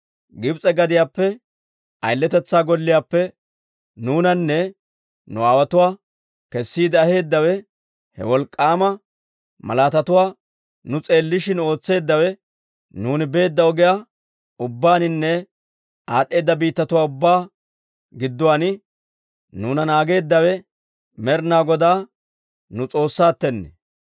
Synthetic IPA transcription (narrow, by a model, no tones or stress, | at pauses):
ɡɪbt͡sʼɛɡɐd̪ɪjaːpːɛ | ɐjlːɛt̪ɛt͡sːaːɡɔlːɪjaːpːɛ | nuːnɐnːɛ | nʊaːwɐt̪ʊwaː | kɛsːiːd̪ɪɐhe̞ːd̪ːɐwɛ | hɛ̰wɔlkʼːaːmɐ | mɐ̰laːt̪ɐt̪ʊwaː | nʊt͡sʼe̞ːlːɪʃɪno̞ːt͡sːe̞ːd̪ːɐwɛ | nuːnɪbe̞ːd̪ːɐɔɡɪja | ʊbːaːnɪnːɛ | aːɗːe̞ːd̪ːɐbiːt̪ːɐt̪ʊwaːʊbːaː | ɡɪd̪ːʊwaːnɪ | nuːnɐnaːɡe̞ːd̪ːɐwɛ | mɛɾnaːɡɔd̪aː | nʊt͡sʼo̞ːsːaːt̪ːɛnːɛ